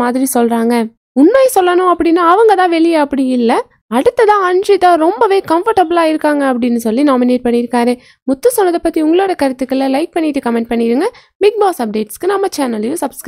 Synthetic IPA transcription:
aːðɪɾisɔlraːŋɡɐ | ʊnmɐjsɔlːɐnʊ̃ɐpːɐɽɪnːaːɐʋɐŋɡɐt̪ãːʋɛɭɪjɐɐpːɐɽiɪlːɐ | ɐɽɯt̪ːɐt̪ãːɐndrɪt̪ːãːɾɔmbɐʋeːkɐmfɐɾʈːɐbɐlaːɪɾɯkːaːŋɡɐːpːɐɽɪnːɯsɔlːinaːmɪneːʈ̚pɐɳːɪɪɾɯkːaːɾɯ | mʊt̪ːɯsɔnːɐðɐpːɐt̪ːiʊŋɡɐɭoːɽɐkɐɾɯt̪ːɯkːɯlɐlɐɪk̚pɐɳːɪʈːɯkɐmɛɳʈ̚pɐɳːɪɾɯŋɡɐ | mɪk̚baːksɐp̚ɖeːʈskɯnɐmːɐt͡ʃaːnɐljuːsɐbskɾ

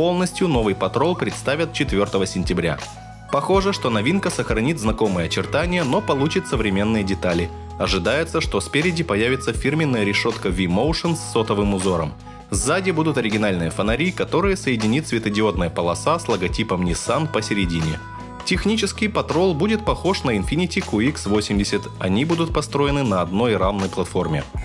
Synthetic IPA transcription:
po̞lˠnəsʲtʲjʊno̞vɨjpɐt̪ɾo̞lˠpɾʲɪt̪st̪avʲət̪̚t͡ɕɪt̪vʲo̞rt̪əvəsʲɪnʲtʲɪbɾʲa̰ | pɐxo̞ʐɨʂt̪o̞nɐvʲinkəsəxɾɐnʲit̪znɐko̞mɨjəɐt͡ɕɪrt̪anʲɪjəno̞pɐlˠut͡ɕɪt̪səvɾʲɪmʲe̞nːɨjədʲɪt̪alʲɪ | ɐʐɨd̪ajɪt̪səʂt̪ospʲɪɾʲɪdʲɪpɐjavʲɪt̪səfʲirmʲɪnːəjəɾʲɪʂo̞t̪kəvʲimowʂɨnsʲːo̞t̪əvɨmʊzo̞ɾə̰m | zːadʲɪbud̪ʊt̪ɐɾʲɪɡʲɪnalʲnɨjəfənɐɾʲikɐt̪o̞ɾɨjəsəjɪdʲɪnʲit̪svʲɪt̪ədʲɪo̞d̪nəjəpəlˠɐsaslˠəɡɐtʲipəmnʲɪsanpəsʲɪɾʲɪdʲinʲɪ | tʲɪxnʲit͡ɕɪskʲɪjpɐt̪ɾolˠbudʲɪt̪̚pɐxo̞ʂnəɪnfʲinʲɪtʲɪkuiksvosʲɪmdʲɪsʲət̪ɐnʲibud̪ʊt̪̚pɐst̪ɾo̞jɪnɨnɐɐd̪no̞jramnəjplˠɐt̪fo̞rmʲɪ̰

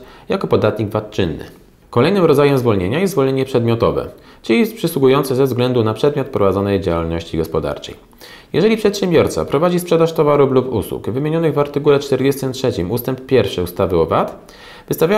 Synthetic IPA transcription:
jakɔpɔd̪at̪ɲiɡvat̪̚t͡ʂɘnːɘ̰ | kɔlɛjnɘmɾɔd̪zajɛmzvɔlɲeɲajɛsvɔlɲeɲɛpʂɛd̪mʲɔt̪ɔvɛ̰ | t͡ʂɘijɛst̪̚pʂɘswuɡujɔnt̪sɛzɛvzɡlɛnd̪unapʂɛd̪mʲjɔt̪̚pɾɔvad̪zɔnɛjd͡ʑawalnɔɕt͡ɕiɡɔspɔd̪a̰ɾt͡ʂɛ̰j | jɛʐɛlʲipʂɛt̪ɕɛmbʲjɔɾt̪sa̰pɾɔvad͡ʑispʂɛd̪aʂt̪ɔvaɾuplupṵswṵkvɘmʲjeɲɔnɘɣvaɾt̪ɘkulɛt͡ʂt̪ɛɾd͡ʑɛst̪ɘmtʂɛt͡ɕimust̪ɛmppʲjɛɾfʂɘust̪avɘɔvat̪ | vɘst̪avʲja

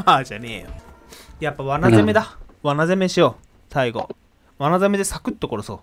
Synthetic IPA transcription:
ad͡ʑaneːo | japːaβanazeme̞d̪aβanazemeɕijoː | saiɡo̞̰ | βanazeme̞d̪e̞sakɯ̟t̪ːo̞ko̞ɾosoː

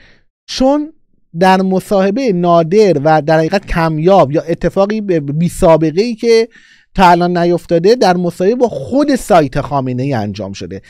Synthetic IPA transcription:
t͡ʃʰon | d̪æɾmosɒːhe̞bejenɒːd̪e̞ɾvæd̪æɾhæɣiːɣæt̪̚cʰæmjɒːbjɒːʔe̞t̪ʰːe̞fɒːɣiːbebiːsɒːbe̞ɣe̞iːcʰe̞ | t̪ʰɒːælɒːnːæjo̞ft̪ɒːd̪e̞d̪æɾmosɒːhebebɒːxo̞d̪e̞sɒːjt̪ʰe̞xɒːmenejiːæ̰nd͡ʒɒ̰ːmʃo̞d̪e̞̰

